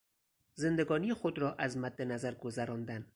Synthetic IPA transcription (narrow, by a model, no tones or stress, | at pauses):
zend̪æɡɒːnixod̪ɾɒːʔazmad̪ːenazaɾɡozaɾɒnd̪an